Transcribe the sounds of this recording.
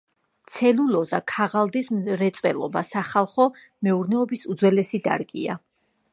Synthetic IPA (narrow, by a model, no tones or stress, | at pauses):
t̪sʰɛlulɔzakʰaʁalˠd̪isɾɛt̪sʼwɛ̰lˠɔ̰basaχalˠχɔ | mɛuɾnɛɔbisud̪zwɛlɛsid̪a̰ɾɡʼḭa̰